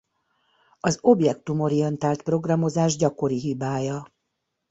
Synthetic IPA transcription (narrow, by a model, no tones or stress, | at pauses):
ɒzo̞bjɛk̚t̪umo̞ɾiɛnt̪aːlt̪pro̞ɡrɒmo̞zaːʒɟɒko̞ɾiɦibaːjɒ